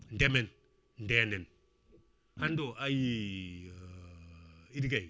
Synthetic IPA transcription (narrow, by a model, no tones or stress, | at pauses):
ndemen | ndenen | handoʔaji | idɡei